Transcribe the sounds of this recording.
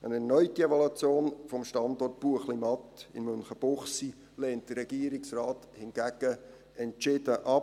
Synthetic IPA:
ənɛrnœʏtiɛvolut͡sjoːnfɔmʃtɑndɔrt̚b̥uəχlimɑtɪmmønχəb̥ʊχsi | lɛːnt̚d̥ərɾɛɡ̥iːəɾɪksrɑːthɪnɡ̥æɡ̥ə | ɛnt͡ʃɪd̥əʔɑ

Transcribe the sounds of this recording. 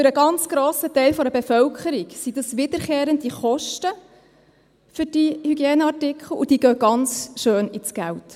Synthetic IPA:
føɾəɡɑnt͡sɡ̥ɾoːsətɛɪlfɔɾəbefœlkʰəɾiksid̥ɑsʋɪd̥̪əɾχeːɾəndiχɔʃtə | fʏɾd̥ihyɡjeːnəɑrtɪkχl̩ˠud̥iːɡœɡɑnt͡sʃøːnit͡sɡ̥ælt

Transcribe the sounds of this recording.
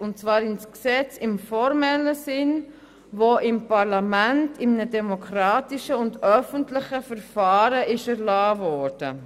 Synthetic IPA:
ʊntt͡svɑːɾɪnsksɛt͡sɪmfɔɾmɛləsɪn | voʔɪmpɑɾlɑmæntɪmnədɛmokʰɾɑːtiʃəʊndœfəntlɪχəfəɾfɑːɾəɪʃɛɾlɑːvɔːɾd̥ə

